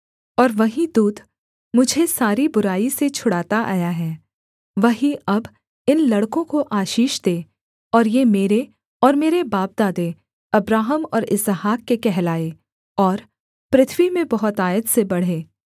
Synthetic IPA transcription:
ɔːɾʋɐɦĩd̪uːd̪ | mʊd͡ʒʱesaːɾibʊɾaːiset͡ʃʰʊɽaːt̪aʔa̰ːjaɦɛː | ʋɐɦĩʔɐb | ɪnlɐɽkõkoʔaːʃiːʃd̪eː | ɔːɾjemeːɾe | ɔːɾmeːɾebaːp̚d̪aːd̪e | ɐbɾaːɦəmɔːɾɪzɦaːkːekɛɦlaːe | ɔːɾ | pɾɪt̪ʰwimẽbɐɦʊt̪aːjət̪sebɐɽ̤eː

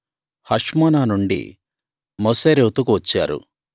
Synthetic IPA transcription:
hɐʂmaːnaːnuɳɖḭ | moseːɾewt̪ukuʋɐt͡ʃːaːɾṵ

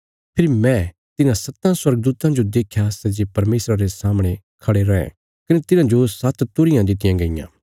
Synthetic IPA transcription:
pʰɪɾimɛ̃ː | t̪ɪnãsɐt̪ːãswɐɾɡd̪uːt̪ãd͡ʒod̪eːkʰjasɛd͡ʒepɐɾmeːsɾaɾesaːmɽ̃e | kʰɐɽeɾɐɛ̰̃ | kɐnet̪ɪnãd͡ʒosɐt̪t̪ʊɾɪjãd̪ɪt̪ɪjãɡɐɪjã̰ː

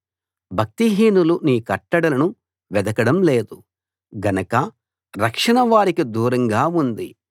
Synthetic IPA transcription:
bʱɐk̚t̪iɦiːnuluniːkɐʈːɐɽɐlɐnu | ʋɛd̪ɐkɐɽɐmle̞ːd̪u | ɡɐnɐkɐ | ɾɐkʂɐɳɐʋaːɾikid̪uːɾɐŋɡaːund̪i

